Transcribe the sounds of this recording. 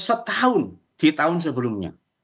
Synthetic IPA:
sət̪aʊn | d̪̥it̪aʊns̬əbəlumɲa̰

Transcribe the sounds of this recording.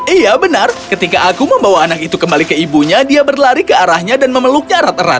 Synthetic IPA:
ijabənarkət̪ikaʔakuməmbawaːnakit̪ukəmbalikəibuɲadiabərlaɾikəaɾahɲadanməməluk̚ɲaɾat̪əɾa̰t̪̚

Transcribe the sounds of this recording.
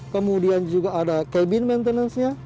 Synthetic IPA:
kəmudiand͡ʒuɡaːdakebɪnmɛnt̪ənansɲa

